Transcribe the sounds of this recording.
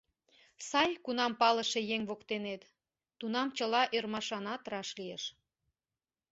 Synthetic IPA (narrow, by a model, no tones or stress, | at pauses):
sɑjkunɑmpɑlə̆ʃejeŋβokt̪enet̪ː | unɑmt͡ɕəlɑʔørmɑʃɑnɑt̪ɾɑʃlijeʃ